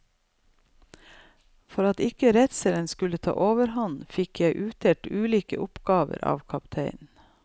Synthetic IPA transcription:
fɔɾɑt̪ɪkəɾɛt̪sɛlənskʉlət̪ʰɑ̰ːʔoːʋəɾhɑnfɪkjæɪʔʉːt̪ʰɛʈʉːliːkə̰ʔʊpɡɑːʋə̰ɾɑ̰ːʋkʰɑpt̪ʰeɪn

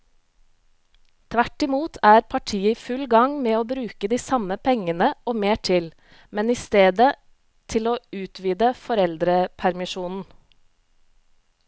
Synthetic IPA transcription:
t̪ʰʋæʈɪmuːt̪ʰæːɾpʰɑʈʰiːəifʉlɡɑŋmeːoːbɾʉːkəd̪iːsɑməpʰɛŋənəoːmeːʈʰɪl | mɛniːst̪eːd̪ə | t̪ʰɪloːʉːt̪ʰʋiːd̪əfɔɾɛld̪ɾəpʰæɾmɪʃuːnn̩

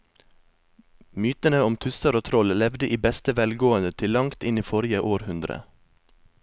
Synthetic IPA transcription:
myːt̪ənəɔmt̪ʰʉsəɾoːt̪ʰɾɔllɛʋd̪əʔiːbɛst̪əʋɛlɡoːənd̪ət̪ʰɪlɑŋt̪ɪniːfɔɾɪəʔoːɾhʉnd̪ɾə̰

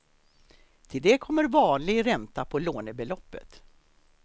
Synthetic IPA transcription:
t̪ʰɪld̪ɛkʰɔmːəɾvɑːnlɪɡɾɛnt̪apʰɔloːnəbɛlɔpːə̰t̪

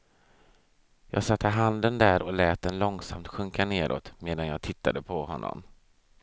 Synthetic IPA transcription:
jɑːɡsat̪ʰːəɦand̪ənd̪æɾɔlɛːt̪̚d̪ɛnlɔŋsa̰mt̪ɧɵŋkaneːɾʔo̰ːt̪meːd̪anjɑːt̪ʰɪt̪ʰːad̪əpʰɔhɔnːɔ̰m

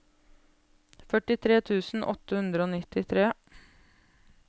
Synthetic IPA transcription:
fœʈɪt̪ʰɾeːt̪ʰʉːsn̩ʔɔ̰t̪ːəhʉnd̪ɾəoːnɪt̪ɪt̪ʰɾeː

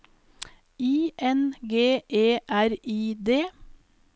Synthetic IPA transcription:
iːʔɛnɡeːʔeːʔæɾiːd̪eː

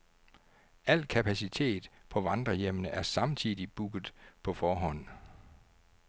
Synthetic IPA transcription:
ʔæl̰kʰæpʰæsit͡sʰe̝̰ːd̥pʰɒ̽ʋɑ̈nd̥ʁɐjemnəʔæɐsɑ̈mt͡sʰiðˠib̥uɡ̥ð̩ˠpʰɒ̽fɒːɦɒ̽n̰

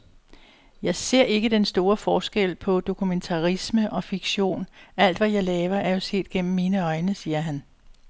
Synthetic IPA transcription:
jɑ̈ɪse̝ɐ̰e̝ɡ̥əd̥ensd̥o̝ːɐfɒːsɡ̥el̰pʰɒ̽d̥o̝kʰument͡sʰɑ̈ʁisməʔɒ̽fiɡ̥ɕo̝̰ːnæl̰d̥ʋæjɑ̈ɪlɛːʋɐʔæɐjo̝se̝̰ːd̥̚ɡ̥en̰m̩ːiːnəɒ̽ɪnəsiːɐɦæn

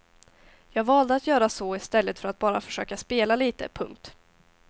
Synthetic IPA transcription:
jɑːɡvɑːld̪əat̪jœːɾasɔɪst̪ɛlːət̪fœɾat̪̚bɑːɾa̰fœ̥ʂøːkaspeːlaliːt̪ə̰pʰɵŋk̚t̪

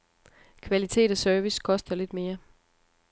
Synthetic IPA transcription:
kʰʋælit͡sʰe̝̰ːd̥ɒsœɐʋiskʰɒ̽sd̥ɐle̝d̥me̝ːɐ

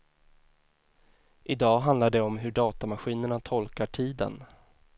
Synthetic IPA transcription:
ʔɪd̪ɑːɦand̪aɖɛɔmɦɵɖɑːt̪amaɧiːnəɳat̪ʰɔlkaʈʰiːd̪ə̰n

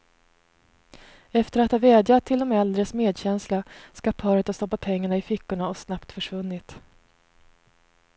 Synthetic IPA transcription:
ɛft̪əɾat̪hɑvɛːd̪jat̪ʰːɪld̪ɔmɛld̪ɾəsmeːd̪ɕɛnslaskapʰɑːɾət̪ast̪ɔpːat̪̚pʰɛŋːaɳaɪfɪkːʊɳaɔsnapt̪fœʂvɵnːɪt̪

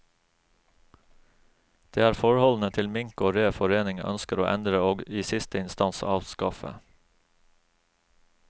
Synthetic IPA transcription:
d̪̥eːæːɾfɔɹhɔln̩ət̪ʰɪlmɪŋkoːɾeːfɔɾeːnɪŋʔœ̰nskəɾo̰ːʔɛ̰nd̪ɾəoːɡiːsɪst̪əɪnst̪ɑnsɑ̰ːʋskɑfə̰

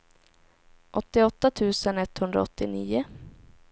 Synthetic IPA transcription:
ʔɔt̪ːɪɔt̪ːat̪ʰʉ̟ːsənɛt̪ːhɵnd̪ɾa̰ɔt̪ːɪniːʊ

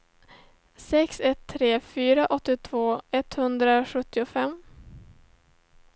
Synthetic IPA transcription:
sɛksɛt̪ʰːɾeːfyːɾaʔɔt̪ːɪt̪ʰvoːɛt̪hɵnd̪ɾaɧɵt̪ːɪʊfɛmː

